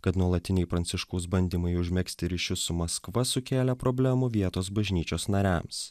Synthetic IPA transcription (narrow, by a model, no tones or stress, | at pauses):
kɐt̪nuɔlˠɐt̪ʲɪnʲɛɪpɾɐnʲt̪sʲɪʃkɐʊs̬bɐnʲd̪ʲiːmɐɪʊʒʲmʲɛksʲt̪ʲɪɾʲiʃʲʊsʊmɐskʋɐsʊkʲeːlʲɛpɾɔːbʲlʲæmʊʋʲiɛt̪oːs̬bɐʒʲnʲiːt͡ʃʲoːsnɐɾʲæ̰ːms